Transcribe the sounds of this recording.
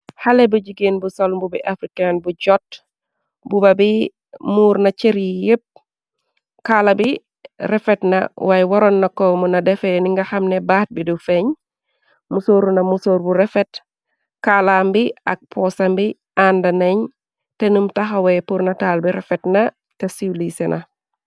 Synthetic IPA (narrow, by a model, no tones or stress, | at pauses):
halɛbud͡ʒiɡenbusɔlmbubiʔafɾikanbuɟɔt̚ | bubɐbi | muːɾnɐt͡ʃeɾijep̚ | kalɐbi | ɾɛfɛtnɐ̰wajwɔɾɔnːɐkɔmunɐdɛfɛniŋɡɐxɐmnɛbaːt̚bidufɛɲ | musoːɾunɐmusoːɾbuɾɛfɛt | kalambiak̚pʰɔsambi | andɐneɲ | tenumtaxawɛpuɾnɐtaːlbiɾɛfɛtnɐ | tesiwlisenʔɐ